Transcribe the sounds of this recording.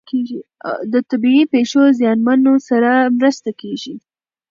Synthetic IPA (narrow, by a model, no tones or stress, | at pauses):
keʒid̪ət̪abiipeʃozjɑnmanosaɾamɾəst̪akeʒi